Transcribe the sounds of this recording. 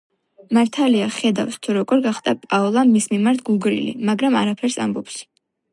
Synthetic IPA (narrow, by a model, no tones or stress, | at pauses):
maɾt̪ʰaliaχɛd̪afst̪ʰuɾɔɡɔɾɡaχd̪apʼaɔlˠamismimaɾt̪ʰɡuɡɾḭlḭmaɡɾamaɾapʰɛɾsa̰mbɔps